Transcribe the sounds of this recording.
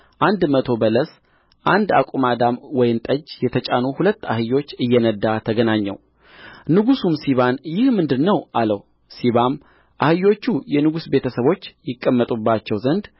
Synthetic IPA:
ʔand̪mət̪ʰo̞bələs | ʔand̪a̰kʼumad̪amwɔjɪnt̪ʼəd͡ʒjɛt̪ʰət͡ʃʼanuhulət̪ːahɨjo̞t͡ʃːɨjːɛnəd̪ːat̪ʰəɡənaɲːɛ̰w | nɨɡusumsiβanjɪhmɨnd̪ɨnːəwʔaləw | siβam | ʔahɨjo̞t͡ʃːujɛnɨɡusbe̞t̪ʰəsəβo̞t͡ʃːjɪkʼːəmːət̪ʼubːat͡ʃːɛwzənd̪

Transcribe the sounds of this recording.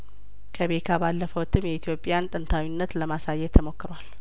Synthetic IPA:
kʰəbe̞k̪ʰabalːəfəwt̪ʰːɨmjɛit̪ʰjo̞pʼjant̪ʼɨnt̪ʰawinːət̪ləmasajːɛt̪ʰːəmo̞kːɨɾwal

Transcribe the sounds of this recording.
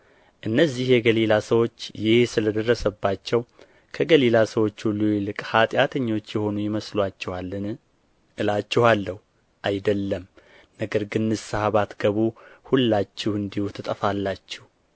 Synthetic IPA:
ʔɨnːəzːihjɛɡəlilasəwo̞t͡ʃːjɪhsɨləd̪ərːəsəbːat͡ʃːɛw | kʰəɡəlilasəwo̞t͡ʃːulujlɨkʼhat̪ʼjat̪ʰəɲːo̞t͡ʃːjɛho̞nujɪməslwat͡ʃːɛaɨ | ɨlat͡ʃːɛhalːəhu | ʔajd̪əlːəm | nəɡəɾɡɨnːɨsahaβat̪ɡ̥əβuhulːat͡ʃːɛhɨnd̪ihut̪ʰɨt̪ʼəfalːat͡ʃːɛh

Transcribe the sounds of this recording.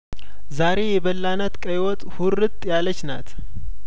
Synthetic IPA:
zaɾe̞jɛβəlːanət̪kʼəjwɔt̪ʼhuɾːɨt̪ʼːjalət͡ʃːnat̪

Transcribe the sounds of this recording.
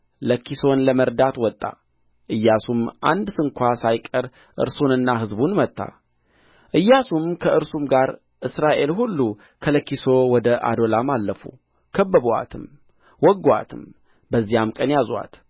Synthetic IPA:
ləkːiso̞nləməɾd̪at̪wɔt̪ʼːa̰ | ʔɨjːasumʔa̰nd̪sɨŋkʷʰasajkʼəɾ | ʔɨ̰ɾsunɨnːaɦɨzbunmət̪ʼːa̰ | ʔɨjːasumkʰəʔɨɾsumɡaɾ | ʔɨsɾaʔe̞lhulːu | kʰələkːiso̞wɔd̪əʔa̰d̪o̞lamalːəfṵ | kʰəbːəβa̰t̪ʰɨm | wɔɡːoa̰t̪ʰɨm | bəzːijamkʼənjaza̰t̪

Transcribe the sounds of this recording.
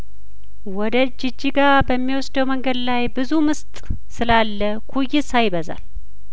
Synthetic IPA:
wɔd̪əd͡ʒɪd͡ʒːiɡabəmːiwɔsd̪əwməŋɡəd̪lajbɨzumɨst̪ʼ | sɨlalːəkʰujːɪsajbəza̰l

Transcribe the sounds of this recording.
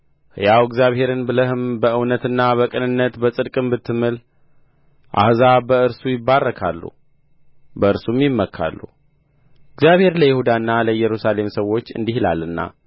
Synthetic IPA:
ɨjawɪɡzjaβhe̞ɾɨnbɨləhɨmbəɨwnət̪ɨnːaβəkʼɨnɨnːət̪bəsʼɨd̪kʼɨmbɨt̪ʰːɨmːɨl | ʔa̰hzabəɨɾsujɪbːarːəkʰa̰lːṵ | bəɨɾsumjɪmːəkʰːa̰lːṵ | ɪɡzjaβhe̞ɾləjɪhud̪anːaləjɛɾusale̞msəwːo̞t͡ʃːɨ̰nd̪ihila̰lɨnːa̰

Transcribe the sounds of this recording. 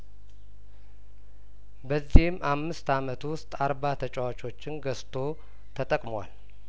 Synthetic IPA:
bəzːihɪmʔamːɨst̪amət̪wʊst̪ʼaɾbat̪ʰət͡ʃʼawat͡ʃʼo̞t͡ʃːɪnɡəst̪ʰo̞ | t̪ʰət̪ʼəkʼmowa̰l

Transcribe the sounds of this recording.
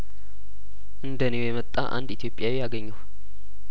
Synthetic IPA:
ʔɨnd̪ənewojɛmət̪ʼːa̰ʔa̰nd̪it̪ʰijo̞pʼːjawijaɡəɲːəw

